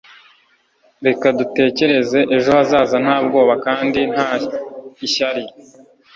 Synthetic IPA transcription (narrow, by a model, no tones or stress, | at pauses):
ɾe̞kadute̞ːce̞ɾe̞ze̞ʔeʒo̞hazaːzan̥haːb̚ɡo̞ːβakaːndin̥a | iʃaɾi